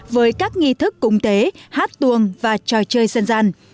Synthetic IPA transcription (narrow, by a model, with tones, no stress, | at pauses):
vəː˨˦jkaː˦˥k̚ŋi˧t̪ʰɨ˦˥kːʊ˧wŋ͡mt̪e˨˦haː˦˥t̚t̪u˧˩əŋvaː˨˩t͡ɕɔ˨˩jt͡ɕəː˧jsa˧nzaː˧n